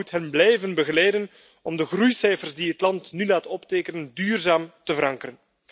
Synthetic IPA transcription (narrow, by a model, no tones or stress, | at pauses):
utɦɛnblɛjvənbəɣəlɛjdən | ɔmdəɣrujsɛjfərzdiɦətlɑntnylaːtɔpteːkənəndyːrzaːmtəvəɾɑŋkəɾən